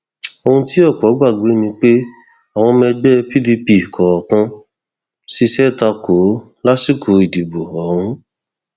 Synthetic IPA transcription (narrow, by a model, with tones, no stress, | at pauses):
o˧hũ˧ti˦ɔ˦˨k͡pɔ˨˦ɡ͡ba˦˨ɡ͡be˨˦mĩ˧k͡pe˦ | a˨w̃ɔ̃˧mɛ̃˧ɡ͡bɛ˦pi˦di˧pi˨kʰɔ˨ɾɔ˨kã˧ | si˦ʃɛ˦˨ta˧ko˨˦ | la˦si˦˨kʰo˨˦i˨di˨bo˨ɔ˨hũ˧˦